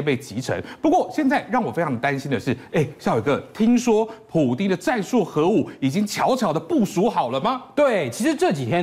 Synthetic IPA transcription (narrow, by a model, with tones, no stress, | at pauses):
pe˥˩ɪt͡ɕi˧˥ʈ͡ʂʰə̰˧˥ŋpu˧˥kwɔ˥˩ɕjɛ˥˧nt͡sa˥˧ɪɻɑ˥˩ŋwɔ˨˩fe˥ɪʈ͡ʂʰɑ˧ŋd̪ə˧t̪a˥nɕi˥nd̪ə˨ʂɻ̩˥˩e˥˩ɪɕjo˨˩˧ɡə˧t̪ʰi˥ŋʂwɔ˥pʰu˨˩t̪i˥ŋd̪ə˨ʈ͡ʂa˥˧nswu˥˩xɤ˧˥u˨˩i˨˩t͡ɕi˥ŋt͡ɕʰjɑ˧˥ʊt͡ɕʰjɑ˨˩ʊd̪ə˦pu˥˩su˧˥xɑ˨˩ʊlə˦mɐ˨t̪we˥˩ɪt͡ɕʰi˧˥ʂɻ̩˧˥ʈ͡ʂɤ˥˩t͡ɕi˨˩t̪ʰjɛ˥